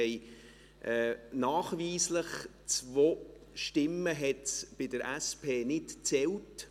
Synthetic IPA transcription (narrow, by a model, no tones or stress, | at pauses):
ɛɪ | ʔɛːnaːχviːsləχ | t͡svoː | ʃtɪməɦɛtb̥ɪdəɾæspʰeːnɪtt͡sɛlt